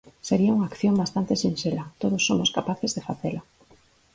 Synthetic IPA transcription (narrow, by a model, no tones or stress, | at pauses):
seɾiauŋaːkθjombast̪ant̪esinʃelat̪oð̞osːomoskapaθezðefaθela